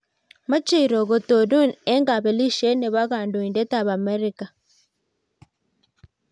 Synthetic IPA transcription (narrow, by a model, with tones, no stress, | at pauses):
ma˦t͡ʃe˦i˨ɾo˨ɣo˨to˨du˦˨ne˦ŋɡa˨βe˨li˦ʃe˦ne˨βa˦ɣa˨ndo˨i˨nde˦ta˦˨βa˨me˦ɾi˦ka˨